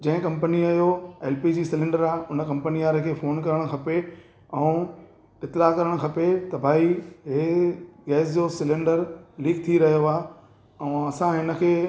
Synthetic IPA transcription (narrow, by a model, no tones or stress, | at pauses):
d͡ʑɐ̃ɦɪ̃kɐ̃mpəniɐjoeːlpid͡ʑiːsɪlẽːɳɖəɾaːʊnə̆kɐ̃mpəniaːɾəkʰeːfoːnkɐɾəɽ̃kʰɐpe | ɛũ | ɪt̪ːɪlakɐɾəɽ̃̆kʰɐpet̪ɐbʱaːiɦeɡɛːsd͡ʑoːsɪlẽːɳɖəɾliːkt̪ʰiɾɐɦjoaː | ɛ̃ɐsãɦɪnə̆kʰeː